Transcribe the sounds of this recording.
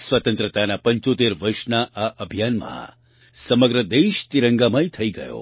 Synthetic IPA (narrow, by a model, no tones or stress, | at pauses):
sʋət̪ənt̪ɾət̪anapəɲt͡ʃot̪eɾʋəɾʃnaʔaʔəbʱijanmã̰ | səməɡɾəd̪eʃt̪iɾəŋɡamãit̪ʰəiɡə̰jo̰